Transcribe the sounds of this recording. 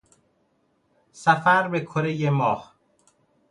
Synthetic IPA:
sæfæɾbekʰoɾejemɒːh

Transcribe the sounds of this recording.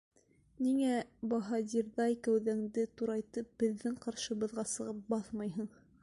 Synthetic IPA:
niŋæbɑɦɑd̪ʲiɾðɑjkæwðæŋd̪ɘt̪uɾɑjt̪ɤp̚bɘ̆ðːɘŋqɑɾʃɤ̆βɤ̆ðʁɑsɤ̆ʁɤp̚bɑθmɑjɦɤɴ

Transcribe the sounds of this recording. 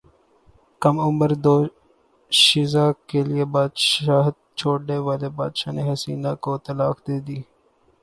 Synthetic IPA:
kəmʊmbəɾd̪oː | ʃɪzaːkelɪeːbaːd̪ʃaːɦd̪̚t͡ʃʰoːɽneːʋaːleːbaːd̪ʃaːneːɦəsiːnaːkoːt̪əlaːxd̪eːd̪iː

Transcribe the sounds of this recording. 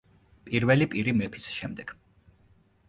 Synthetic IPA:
pʼiɾvɛlipʼiɾimɛpʰi̥sʃɛmd̪ɛɡ̥

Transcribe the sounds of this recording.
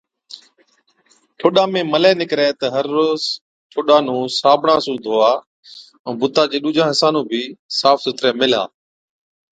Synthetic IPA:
ʈʰoːɗãːmẽːməlɛːnɪkɾɛːt̪əɦəɾːoːz | ʈʰoːɗaːnũːsaːbʱɳãːsũːd̪ʱoːaː | ɛ̃ːbʊt̪aːd͡ʒeːɗuːd͡ʒãːɦəsãːnũːbʱiːsaːfsʊt̪ɾɛːmɪla̰ː

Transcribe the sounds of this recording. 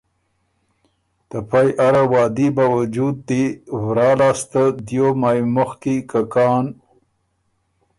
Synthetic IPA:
t̪apʰajʔaɾawɑːd̪ibawad͡ʒud̪̚ːiwɾɑːlɑːst̪əd̪jomajmʊxkikakɑːn

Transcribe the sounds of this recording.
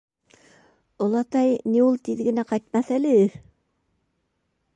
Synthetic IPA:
ŏlˠɑt̪ɑjniulˠt̪iðɡɘ̆næqɑjt̪̚mɑθælɘ

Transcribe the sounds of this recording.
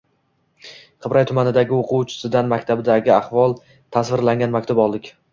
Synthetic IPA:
qʰɨbɾajt̪ʰʊmanɪd̪aɡʲɪoqʰʊwt͡ʃʰɪ̥sɪd̪anmakʲt̪ʰabɪd̪aɡʲɪaχvɒlˠ | t̪ʰasvɪɾlaŋɡʲanmakʲt̪ʰabɒlˠd̪ɪkʲ

